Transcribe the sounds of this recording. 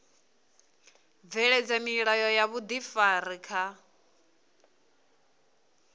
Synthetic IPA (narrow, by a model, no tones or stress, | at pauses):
b̪vɛɺɛd͡zamiɺajɔjaβud̪ifaɾikʰa